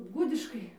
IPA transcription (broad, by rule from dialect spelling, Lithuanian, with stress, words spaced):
ˈɡʊdʲɪʃkɐɪ